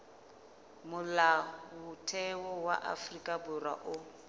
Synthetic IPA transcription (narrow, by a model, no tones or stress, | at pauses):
mʊlawʊtʰɛwɔwa̰ʔa̰frikʼabʊra̰ʔʊ